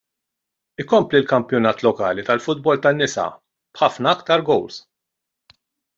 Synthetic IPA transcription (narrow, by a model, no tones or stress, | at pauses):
ɪkɔmplilkɐmpjɔnɐːt̪lɔkɐːlit̪ɐlfʊd̪̚bɔlt̪ɐnːɪsɐ̰ | b̥ħɐfnɐɐkt̪ɐɾɡɔwls